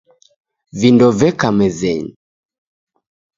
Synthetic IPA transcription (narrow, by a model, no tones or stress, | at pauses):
vindɔvɛkamɛzɛɲ